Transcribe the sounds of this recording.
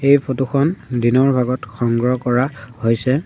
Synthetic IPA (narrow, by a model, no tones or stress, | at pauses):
ejpʰotuxɔndinɔɹbʱaɡɔtxɔŋɡɹɔkɔɹahojsɛ